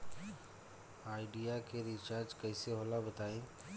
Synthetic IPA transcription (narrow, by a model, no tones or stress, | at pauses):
aːɪɖijakʰeɾit͡ʃaːɾd͡ʒkəɪseɦoːlabət̪aːĩː